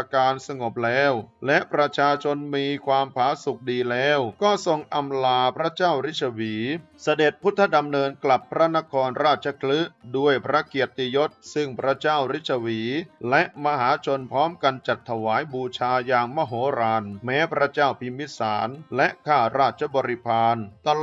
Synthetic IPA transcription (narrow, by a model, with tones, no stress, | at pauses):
a˧kaː˧nsa˧ŋo˨˩p̚lɛː˦˥wlɛ˦˥ʔpɾa˧t͡ɕʰaː˧t͡ɕʰo˧nmiː˧kʰwaː˧mpʰaː˩˦su˨˩k̚diː˧lɛː˦˥wkɔː˥˩so˧ŋʔa˧mlaː˧pʰɾa˦˥t͡ɕaː˥˩wɾi˦˥t̪̚t͡ɕʰa˧wiː˩˦ | sa˧de˨˩t̪̚pʰu˦˥t̪ʰːa˧˥˩da˧mnɤː˧nkla˨˩pʰːɾa˦˥na˦˥kʰɔː˧nɾaː˥˩t̪̚t͡ɕʰa˧kʰlɯ˦˥du˥˩əjpʰɾa˦˥ki˨˩ət̪ːi˧jo˦˥t̪̚sɯ˥˩ŋpʰɾa˦˥t͡ɕaː˥˩wɾi˦˥t̪̚t͡ɕʰa˧wiː˩˦lɛ˦˥ʔma˧ɦaː˩˦t͡ɕʰo˧npʰɾɔː˦˥mka˧nt͡ɕa˨˩t̪ʰːa˧waː˩˦jbuː˧t͡ɕʰaː˧jaː˧ŋma˥˧˩ɦoː˩˦ɾaː˧nmɛː˦˥pʰɾa˦˥t͡ɕaː˥˩wpʰi˧mːi˦˥saː˩˦nlɛ˦˥ʔkʰaː˥˩ɾaː˥˩t̪̚t͡ɕʰa˧˦bɔː˧ɾi˧pʰaː˧nt̪a˧